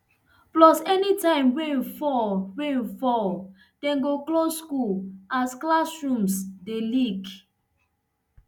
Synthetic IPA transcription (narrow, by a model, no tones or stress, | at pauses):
plɔsɛnitãɪ̃mɹẽfɔɹẽfɔ | d̥ɛ̃nɡoklosːkulasklasɹũmsdelik